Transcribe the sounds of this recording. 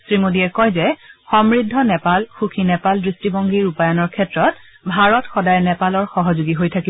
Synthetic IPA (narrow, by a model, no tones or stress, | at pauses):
sɹimodiɛkɔjzɛxɔmɹidʱːɔnɛpalxukʰinɛpaldɹistibɔŋɡiɹupajɔnɔɹkʰɛtɹɔt | bʱaɹɔtxɔdajnɛpalɔɹxɔɦɔzuɡiɦojtʰaki